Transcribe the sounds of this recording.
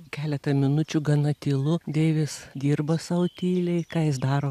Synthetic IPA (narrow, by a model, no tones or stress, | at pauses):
kʲæːlʲɛt̪ɐmʲɪnʊt͡ʃʲuɡɐnɐt̪ʲɪlˠʊd̪ʲeːʋʲɪsd̪ʲiːrbɐsɐʊt̪ʲiːlʲɛɪkɑːjɪsd̪ɑːɾoː